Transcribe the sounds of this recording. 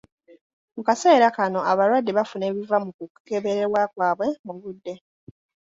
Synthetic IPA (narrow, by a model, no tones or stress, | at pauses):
mukase̞ːɾakano̞aβaɾwadːe̞βafune̞ːβivamukukke̞βe̞ɾe̞ɾwakwaːβwe̞muβudːe̞